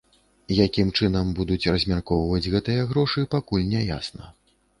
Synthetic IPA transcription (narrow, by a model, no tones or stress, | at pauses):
jakʲimt͡ʂɨnɐmbud̪ut͡sʲrɐzʲmʲarkɔvɐvɐd͡zʲɣɛt̪ɨjɐɣɾɔʂɨpakulʲnʲɛja̰snɐ̰